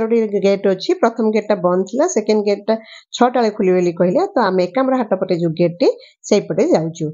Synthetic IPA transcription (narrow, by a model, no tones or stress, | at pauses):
ɾuɽiɾɡeʈot͡ʃʰipɾɔt̪ʰɔmɡeʈ̚ʈːabɔnt̪ʰilasekenɖɡeʈʈat͡ʃʰɔʈaɭikʰulibelikɔɦilet̪ɔamiːkamɾɔɦaʈɔpɔʈed͡ʒuɡeʈːe | sejpɔʈed͡ʒawt͡ʃʰu